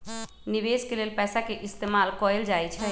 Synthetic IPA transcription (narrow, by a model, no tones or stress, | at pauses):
niʋeskelelpɛːsakeʔist̪emalkɔeld͡ʒajt͡ʃʰɛ